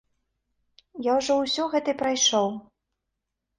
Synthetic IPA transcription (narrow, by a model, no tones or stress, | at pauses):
jawʐɔwsʲɔɣɛt̪ɐjpɾajʂɔw